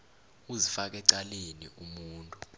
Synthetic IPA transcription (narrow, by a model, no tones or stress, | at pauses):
uzifak̬ɛǀalenḭumuːntʼu